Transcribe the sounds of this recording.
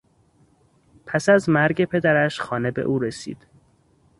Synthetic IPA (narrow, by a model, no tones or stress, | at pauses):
pʰæsæzmæɾɟe̞pʰe̞d̪æɾæʃxɒːne̞be̞̰ʔuːɾe̞sḭːd̪̥